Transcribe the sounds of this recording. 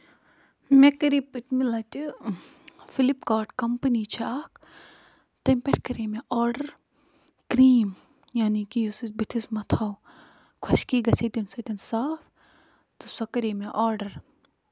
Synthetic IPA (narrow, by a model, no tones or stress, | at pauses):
mekɐɾipɨt̪milɐt͡ʃi | filipkaːʈkɐmpəniːt͡ʃʰiaːkʰ | t̪ɐmpeʈ̚kɐɾeːmeʔaːɾɖɐɾ | kɾiːm | jaːnikijusisbit̪ʰismɐt̪ʰaːw | kʰɐʃkiːɡɐsit̪insɐt̪ʲinsaːf | t̪usɐkɐɾiːmeʔaːɾɖɐɾ